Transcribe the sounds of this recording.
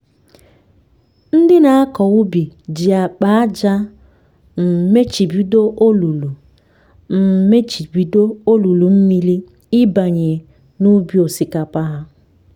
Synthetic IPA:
n̩˦dɪ˦na˨a˦kɔ˨wu˦bi˨d͡ʒi˨a˨k͡pa˦d͡ʒa˦ | m̩˨me˦t͡ʃi˨bi˦do˦ʔo˦lu˨lu˨ | m̩˨me˦t͡ʃi˨bi˨˦do˦o˦lu˨lu˨m̩˦mi˦li˦ | ɪ˦ba˨ɲe˨ | nu˦bi˦o˨si˨ka˨pa˦ɦa˦

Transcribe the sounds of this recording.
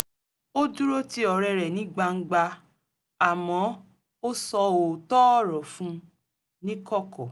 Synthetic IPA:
o˦du˦ɾo˦ti˦ɔ˧˨ɾɛ˧ɾɛ˨nĩ˨˦ɡ͡ba˧ŋ̩˦ɡ͡ba˧ | a˨mɔ̃˨˦ | o˦sɔ˧o˨tɔ˦ɔ˦ɾɔ˨fũ˦ | nĩ˦kɔ˦˨kɔ˨

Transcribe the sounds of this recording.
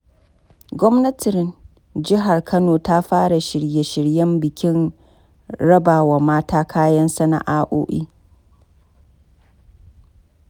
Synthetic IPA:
ɡʷɔ˦mnɐ˦tɪ˨ɾn | d͡ʒɪ˦ɦa˨rkʰɐ˦noː˨ta˦ɸaː˦ɽa˨ʃɪ˨ɽje˨ʃɪ˨ɽjɐ˦mbɪ˨kʲɪ˦n | ɾɐ˦baː˨wa˨maː˦taː˦kʰaː˦jɐ˦nsa˦na̰˨ʔaː˦ʔo̰ː˦ʔḭː˦

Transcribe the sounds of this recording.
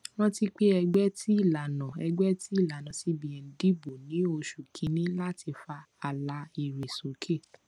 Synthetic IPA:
w̃ɔ̃˦ti˧k͡pe˦ɛ˧ɡ͡bɛ˦ti˦i˦˨la˨nã˨ɛ˧ɡ͡bɛ˦ti˦i˦˨la˨nã˨si˨˦bĩ˨ɛ̃˨n̩˨di˦bo˨nĩ˨˦o˧ʃu˨kʰĩ˨˦nĩ˦la˦ti˧fa˧ | a˨la˧i˨ɾe˨so˨˦kʰe˦˨

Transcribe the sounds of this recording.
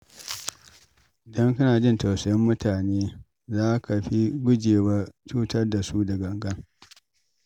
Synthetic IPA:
ʔɪ˨dɐ˦ŋkʊ˦naː˨d͡ʒɪ˦nta˨wsɐ˨jɛ˦mːʊ˦tʰaː˨neː˦ | zaː˦kʰa˨ɸi˦ɡʷʊ˦d͡ʒeː˨wa˦t͡ʃuː˦tɐ˦rda˨su˦dɐ˨ɡɐ˨ŋɡɐ˦ŋ

